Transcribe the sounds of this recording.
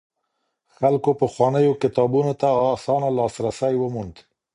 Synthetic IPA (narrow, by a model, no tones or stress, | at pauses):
xalkopəxwɑnəjokɪt̪ɑbunot̪aɑsɑnalɑsɾasajwəmund̪